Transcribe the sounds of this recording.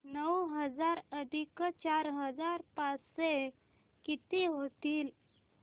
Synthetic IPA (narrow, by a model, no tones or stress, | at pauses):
nəwɦəd͡zaɾəd̪ʱikt͡ɕaɾɦəd͡zaɾpase | kit̪iɦot̪iːl